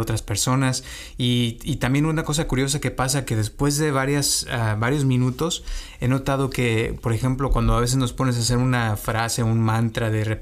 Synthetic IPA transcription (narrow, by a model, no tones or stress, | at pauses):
ot̪ɾaspe̞ɾso̞nas | iːt̪ambje̞nunako̞s̬akuɾjo̞s̬ake̞pasake̞ðe̞spwe̞zðe̞βaɾjasaβaɾjo̞zmĩnut̪o̞s | e̞no̞t̪að̞o̞ke̞po̞ɾexe̞mplo̞kwand̪oaβ̞e̞s̬e̞zno̞spo̞ne̞s̬as̬e̞ɾunafɾase̞unmãnt̪ɾaðe̞re